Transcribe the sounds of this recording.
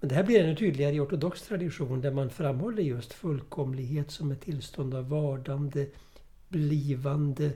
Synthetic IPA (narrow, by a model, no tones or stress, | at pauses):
mɛnd̪ɛɦæːblɪɾɛnːɵt̪ʰyːd̪lɪɡaɾəɪɔʈʊd̪ɔkst̪ʰɾad̪ɪɧuːnd̪æɾmanfɾamːhɔlːəɾjɵst̪fɵlːkʰɔmlɪɡɦeːt̪sɔmɛt̪ʰːɪlst̪ɔnd̪avːɑːɖand̪ə | bliːvand̪ə